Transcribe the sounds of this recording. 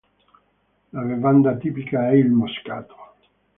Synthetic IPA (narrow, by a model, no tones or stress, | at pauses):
lavevand̪at̪iːpikaɛilmoska̰ːt̪ʰo̥